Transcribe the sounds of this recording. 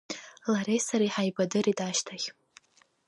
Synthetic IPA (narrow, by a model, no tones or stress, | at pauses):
laɾejsaɾiħajbadɨɾitʼaʃtʰaχʲ